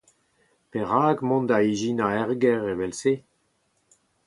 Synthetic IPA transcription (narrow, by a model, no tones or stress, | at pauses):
peʁaːɡmɔ̃nd̪aiʒinaɛʁɡɛʁevɛlseː